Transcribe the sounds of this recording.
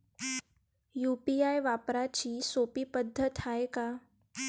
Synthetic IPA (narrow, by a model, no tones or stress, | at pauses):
jupiajʋapɾat͡ɕiːsopiːpəd̪ʱːət̪aeka